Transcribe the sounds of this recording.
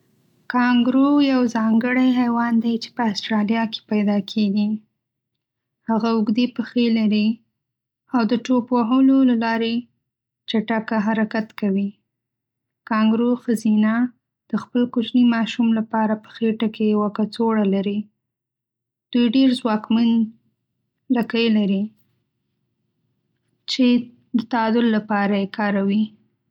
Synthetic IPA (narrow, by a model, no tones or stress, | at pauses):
kɑŋɡɾojawzɑŋɡəɽajɦajwɑnd̪ajt͡ʃe̥pəasʈɾɑljɑke̥pajd̪ɑkʰeɡi | haɣaʊɡd̪epəxelaɾi | awd̪əʈopaɦəlolalɑɾe | t͡ʃaʈakaɦaɾakat̪kawi | kɑŋɡɾoxazina | d̪̥əxpəlkʊt͡ʃnimɑʃumlapɑɾapə̥xeʈakejawakat͡soɽalaɾi | d̪̥ujɖeɾzwɑkman | lakəjlaɾi | t͡ʃe | d̪ət̪ad̪ʊllːapɑɾajekɑɾawi